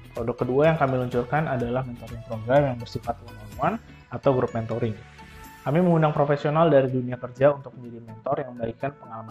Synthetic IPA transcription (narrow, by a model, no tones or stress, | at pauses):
pɾodɔkːəduajaŋkamiluɲt͡ʃʊrkanadalahmɛnt̪ɔɾɪŋp̪ɾɔŋɡɾamjaŋbərsifat̪̚əŋamuan | at̪awɡɾʊp̚mɛnt̪oɾɪŋ | kamiməŋundaŋpɾofesionaldaɾiduniakərd͡ʒaunt̪ʊk̚məɲd͡ʒadimɛnt̪ɔrjaŋməmbaikanpəŋalama